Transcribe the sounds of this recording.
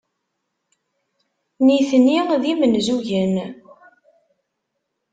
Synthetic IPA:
niθnːiʁðimənzuʝən

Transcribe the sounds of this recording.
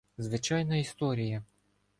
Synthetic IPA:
zʋɪt͡ʃɑjnɐist̪ɔɾʲijɐ

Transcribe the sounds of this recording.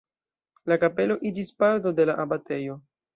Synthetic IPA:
lakape̞lo̞ʔid͡ʒispaɾto̞de̞laʔabate̞jo̞

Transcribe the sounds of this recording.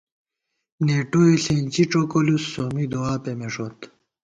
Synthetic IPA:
neːʈoeɬent͡ɕiʈ͡ʂokolusːomid̪oaːpemeʂot̪

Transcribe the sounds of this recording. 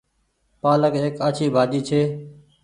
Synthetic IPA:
paːləkeːkaːt͡ʃʰiːbʱaːd͡ʒiːt͡ʃʰeː

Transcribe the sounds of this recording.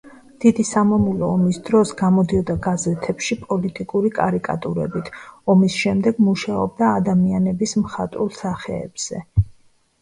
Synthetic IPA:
d̪̥id̪isamamulɔːmisd̪̥ɾɔsɡamɔd̪iɔd̪aɡazɛt̪ʰɛpʃipʼɔlit̪ʼikʼuɾikʼa̰ɾikʼa̰t̪ʼuɾɛ̰bit̪ʰɔmisʃɛmd̪ɛɡmuʃaɔ̰b̚d̪aːd̪amianɛbismχat̪ʼulˠsaχɛ̰ːb̥z̥ɛ̰

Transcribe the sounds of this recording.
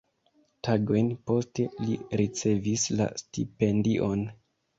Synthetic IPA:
taɡo̞jnpo̞ste̞liɾit͡se̞visla̰stipe̞ndiʔo̞n

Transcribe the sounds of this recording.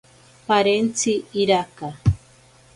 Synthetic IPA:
paɾent͡siːɾaka

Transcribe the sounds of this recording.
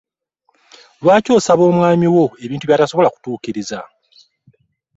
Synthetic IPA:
lwaːco̞ːsaβo̞ːmwaːmiwo̞e̞βiːntuβjaːtaso̞βo̞laku̥tuːciɾiza

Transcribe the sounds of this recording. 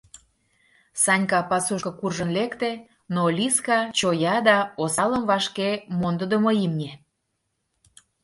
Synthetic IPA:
sɑnʲkɑpɑsuʃkɤ̆kurʒənlekt̪e | nolʲiskɑt͡ɕojɑd̪ɑosɑləmvɑʃkemond̪əd̪əmoimnʲe

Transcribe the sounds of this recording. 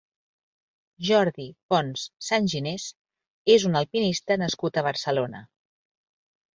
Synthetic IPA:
ʒɔɾðipɔnsːanʲʒines | ezunəlˠpinist̪ənəskut̪əβəɾsəlonə

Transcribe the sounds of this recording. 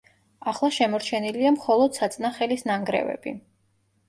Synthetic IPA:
aχlˠaʃɛmɔɾt͡ʃʰɛniliamχɔlˠɔd̪̥sat̪sʼnaχɛlisnaŋɡɾɛ̰vɛ̰b̥i

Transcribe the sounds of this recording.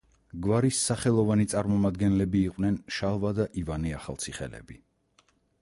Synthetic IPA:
ɡvaɾisːaχɛlˠɔvanit̪sʼaɾmɔmad̪ɡɛnlɛbiːqʼwnɛnʃalˠvad̪aʔivaniaχa̰lˠt̪sʰiχɛ̰lɛ̰bi

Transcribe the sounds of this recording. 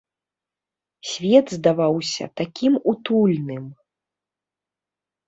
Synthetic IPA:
sʲvʲɛd̪zd̪avawsʲɐ̰t̪akʲimut̪ulʲnɨm

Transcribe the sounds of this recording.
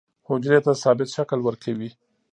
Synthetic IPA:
hʊd͡ʒɾet̪asɑbɪt̪ʃaklwəɾkʰawi

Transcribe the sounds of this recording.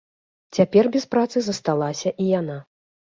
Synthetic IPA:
t͡sʲapʲɛrbʲɛspɾat̪sɨzɐst̪alˠasʲɐʔijana

